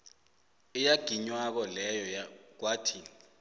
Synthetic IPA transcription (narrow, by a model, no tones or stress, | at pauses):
ijaɡ̥ʱiɲwak̬ɔlɛjɔjak̬watʰiːni